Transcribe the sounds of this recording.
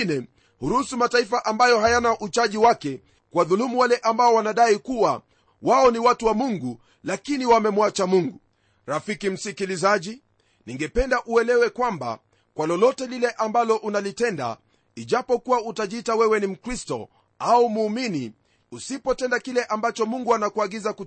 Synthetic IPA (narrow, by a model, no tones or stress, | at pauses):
nɛ | huɾusumataifaʔambajɔɦajanaʔut͡ʃaʄiwakɛ | kwaðulumuwalɛʔambaɔwanaɗaikuwa | waɔniwatuwamuŋɡu | lakiniwamɛmwat͡ʃamuŋɡu | ɾafikim̩sikilizaʄi | niŋɡɛpɛndaʔuɛlɛwɛkwamba̰ | kwalɔlɔtɛlilɛʔambalɔʔunalitɛnda̰ | iʄapɔkuwautaʄiitawɛwɛnim̩kɾistɔ̰ | aumuːmini | usipɔtɛndakilɛʔambat͡ʃɔmuŋɡuanakuaɡizaku